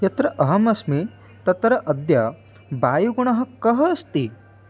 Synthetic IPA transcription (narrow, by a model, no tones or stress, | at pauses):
jɐt̪ɾɐʔɐɦɐmɐsmi | t̪ɐt̪ɾɐʔɐd̪jɐ | baːjuɡuɳɐɦɐ̆kɐɦɐːst̪i